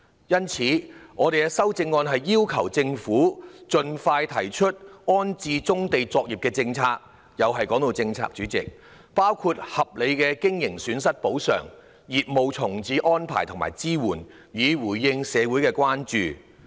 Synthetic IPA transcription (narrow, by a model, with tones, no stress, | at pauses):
jɐ˥nt͡sʰiː˨˥ŋɔː˨˧e˨jkɛ˧sɐ˥wt͡sɪ˧ŋːɔː˧nɦɐ˨jːiː˥wkʰɐ˨˩wt͡sɪ˧ŋfuː˨˥t͡ʃɵ˨˧nfaː˧jt̪ʰɐ˨˩jt͡ʃʰɵ˥t̚ɔː˥nt͡siː˧t͡sʊ˥ŋt̪e˨jt͡sɔː˧k̚ji˨p̚kɛː˧t͡sɪ˧ŋt͡sʰaː˧k̚ | jɐ˨˧wɦɐ˨jkɔː˨˥ŋt̪o˨˧wt͡sɪ˧ŋt͡sʰa̰ː˧k̚t͡ʃyː˨˥t͡sɪ˨k̚ | paː˥wkʰu˧t̚hɐ˨p̚le˨˧jkɛː˧kɪ˥ŋjɪ˨˩ŋsyː˨˧nsɐ˥t̚po˨˥wsœ̰ː˨˩ŋ | jiː˨p̚mo˨wt͡sʰʊ˨˩ŋt͡siː˨˧˥ʔɔː˥npʰa̰ː˨˩jt̪ʰʊ˨˩ma̰ː˨˩jt͡siː˥wuː˨˩n | jiː˨˧wuː˨˩jjɪ˧ŋsɛː˨˧wu˨˥jkɛː˧kʷwaː˥nt͡ʃyː˨